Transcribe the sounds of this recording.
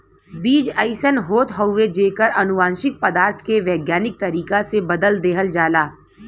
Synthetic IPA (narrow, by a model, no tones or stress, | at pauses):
biːd͡ʒəɪsənɦoːt̪ɦəʊʋed͡ʒeːkəɾɐnʊʋãːnʃɪk̚pəd̪aːɾt̪ʰkeʋɛːɡjaːnɪk̚t̪ɐɾiːkasebɐd̪əld̪eːɦəld͡ʒaːlaː